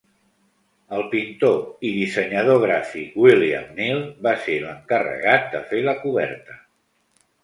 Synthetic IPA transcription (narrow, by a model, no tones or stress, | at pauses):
əlˠpint̪oiðisəɲəð̞oɣ̞ɾafikwilia̰mnilˠbaseləŋkərə̰ɣ̞at̪̚d̪əfeləkuβɛ̰ɾt̪ə